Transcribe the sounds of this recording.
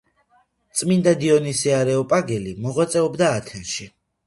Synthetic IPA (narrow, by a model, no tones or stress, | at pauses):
t̪sʼmind̪ad̪iɔnisɛaɾɛɔpʼaɡɛlimɔʁwat̪sʼɛɔbd̪aːt̪ʰɛnʃi